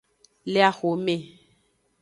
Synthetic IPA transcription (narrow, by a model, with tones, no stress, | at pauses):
le˦a˦xo˨me˨